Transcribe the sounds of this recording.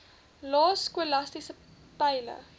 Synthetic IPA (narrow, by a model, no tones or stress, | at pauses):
lɑːskuəlɐstisə | pɛjlə̰